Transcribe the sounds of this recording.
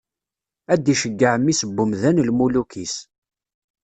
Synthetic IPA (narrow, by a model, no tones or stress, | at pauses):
æd̪iʃəɡːəʕəmːisəbːumðænlmulukʰis